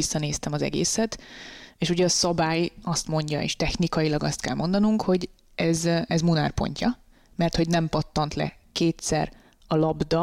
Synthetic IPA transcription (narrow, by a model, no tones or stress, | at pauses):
isːɒneːst̪ɛmɒzɛ̰ɡḛːsɛt̪eːʃuɟɛɒsɒbaːjɒst̪mo̞ɲɟɒ̰ḛːʃt̪ɛxnikɒjilɒɡɒst̪kɛ̰lmo̞nd̪ɒnuŋkho̞ɟ | ɛzɛzmunaːrpo̞̰ɲcʰɒ | mɛrt̪ho̞ɟnɛmpɒt̪ːɒnt̪lɛ̰ | keːt̪sɛr | ɒlɒbd̪ɒ